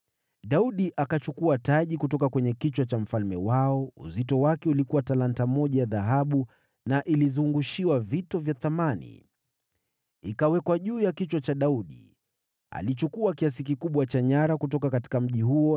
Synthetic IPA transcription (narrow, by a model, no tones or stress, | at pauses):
ɗauɗiʔakat͡ʃukuataʄikutɔkakwɛɲɛkit͡ʃwat͡ʃam̩falmɛ̰waɔṵzitɔwakɛulikuwatalantamɔʄajaðaɦaɓu | naʔilizuŋɡuʃiwavitɔvjaθamanḭ | ikawɛkwaʄuːjakit͡ʃwat͡ʃaɗauɗḭ | a̰lit͡ʃukuakias̬ikikuɓwat͡ʃaɲaɾakutɔkakati̥kam̩ʄihuɔ